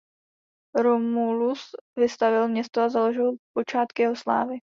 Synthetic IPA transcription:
ɾomulusvɪst̪avɪlmɲɛst̪oazalo̞ʒɪlpo̞t͡ʃaːt̪kɪjɛɦo̞sla̰ːvɪ

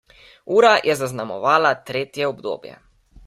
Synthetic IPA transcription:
uːɾajʔɛzaznamɔ̰ʋaːlat̪ɾeːt̪jɛɔbd̪o̰ːbjɛ̰

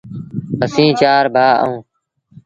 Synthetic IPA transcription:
əsĩːt͡ʃaːɾbʱaːə̰ũː

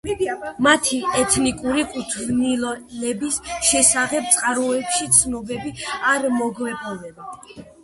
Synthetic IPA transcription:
mat̪ʰiɛt̪ʰnikʼuɾikʼut̪ʰvnilɔlɛbisʃɛsaχɛp̚t̪sʼqʼaɾɔɛpʃit̪sʰnɔbɛbiaɾmɔɡvɛpʼɔnɛba

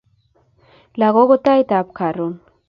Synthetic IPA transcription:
laɣoɣot̪ajt̪aːpkarun

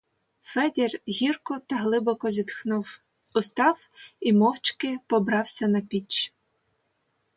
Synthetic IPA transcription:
fɛd̪ʲirɦʲirkɔt̪ɐɦlˠɪbɔkɔzʲit̪xnʊw | ʊst̪ɑw | imɔwt͡ʃkɪpɔbɾɑwsʲɐnɐpʲit͡ʃ

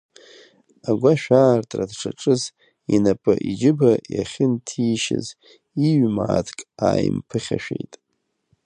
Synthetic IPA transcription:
aɡʷaʃᶣaːrtʼradʈ͡ʂʰaʈ͡ʂʼɨz | inapʼɨʔid͡ʒɪbajaχʲɪntʰiʃɪ̰z | iɥmaːtʰkʼaːjmpʰɨχʲaʃᶣejtʼ

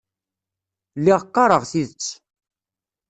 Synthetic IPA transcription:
lːiʁqːɑɾˤəʁθiðət͡sː

